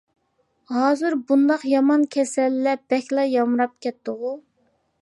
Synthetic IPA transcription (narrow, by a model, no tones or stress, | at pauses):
ɦɑːzɨɾbund̪ɑqjɑmɑnkʲʰɛsɛlːɛb̥ɛkʲlˠɑjɑmɾɑp̚kʲɛt̪ːɨʁu